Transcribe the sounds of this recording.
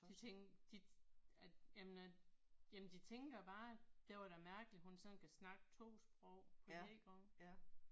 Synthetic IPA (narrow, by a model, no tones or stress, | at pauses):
d̥it͡sʰeŋd̥iæjæmenæjæmn̩d̥it͡sʰeŋɡ̥ɐb̥ɑ̈ːd̥e̝ʋɑɾæmæɐɡ̥əliɦhunsɒ̽nkʰæsnɑ̈ɡ̥ət͡sʰo̝̰ːsb̥ʁɔʊ̰pʰɒ̽dḛɡ̥ɒŋ